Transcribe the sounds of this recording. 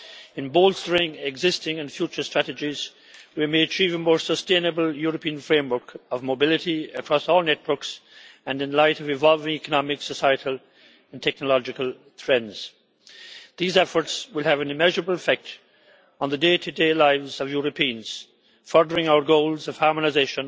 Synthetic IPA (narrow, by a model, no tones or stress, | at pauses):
ɨ̃nbolˠstə˞ɪ̃ŋɪɡzɪstɪ̃ŋɨ̃nfjut͡ʃə˞stɹ̥æɾɨd͡ʒiz̥ | wimeɪɨt͡ʃʰivəmɔːɹsəstẽɪ̃nɨbəlˠjʊɹəpʰĩə̃nfɹẽɪ̃mwə˞kʌvmoʊbɪlɨɾiɨkʰɹ̥ɔsɔlˠnɛt̚wə˞ksɨ̃nɨ̃nlaɪɾʌvɨ̃vɑlˠvɪ̃ŋikənɑmɪksəsaɪɨɾl̩ˠ | ə̃ntʰɛk̚nəlɑd͡ʒɨkəl̩ˠ | θʰɹɛdz̥ | ðizɛfə˞tswɪlˠɨvɨ̃nɨmɛʒə˞əbəl̩ˠɨfɛk̚t | n̩ðədeɪɾʰɨdeɪlaɪvzʌvjʊɹəpʰĩə̃nz̥ | fɔ˞də˞ɪ̃ŋaʊə˞ɡoʊlˠzʌv̥hɑɹmənaɪzeɪʃə̃n